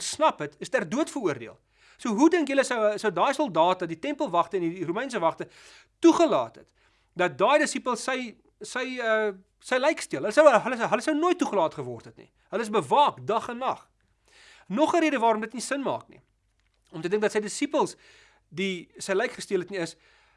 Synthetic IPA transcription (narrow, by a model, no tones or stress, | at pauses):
snɐpətəstærduətfəɾuərdiəlˠ | suəɦudəŋkjələsəwsuədɑːjsɔlˠdɑːtɐditɛmpəlˠvɐχtəɛndirumɛjns̬əvɐχtə | tuχəlɑ̰ːtɦə̰t | dɐt̚dɑːjdəsipəlˠsːəj | səjə | səjlɛjkstiəɦələsəwɦələɦələsəwnoəjt̚ːuχəlɑːtχəvɔrtɦɛtnḭ | ɦələəs̬bəvɑːkdɐχənːɐχ | nɔχəɾiəɾəvɑːɾɔmdətnisənmɑ̰ːknḭ | ɔmtədəŋkdɐtsəjdəsipəlˠs | disəjləjkχəstiələtniəs